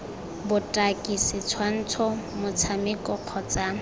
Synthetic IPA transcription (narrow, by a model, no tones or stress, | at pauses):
bʊtʼakʼisɪt͡sʰwan̩t͡sʰɔmʊt͡sʰamɪkʼɔq͡χʰɔt͡sʼa